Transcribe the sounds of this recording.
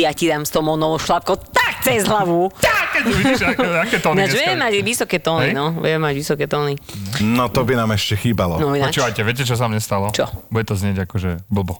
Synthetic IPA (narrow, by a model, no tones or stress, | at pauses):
jacid̪amst̪ɔmɔnɔʋɔʃlap̚kɔt̪ak̚t͡sɛzɦlaʋuakːɛʋiiʒɛakɛːt̪ɔnaʒʋɛmɛmaɟʋisɔkɛːt̪ɔninɔʋʊ̰ɛmɛmaɟʋisɔkɛːt̪ɔninɔt̪ɔbinaːmɛʃcɛxiːbalɔnɔinɔt͡ʃuːʋajcɛʋɪɛc̬ɛt͡ʃɔs̬amɲɛst̪alɔt͡ʃɔbuɟɛt̪ɔzɲɪɛɟakɔʒɛbl̩ˠbɔ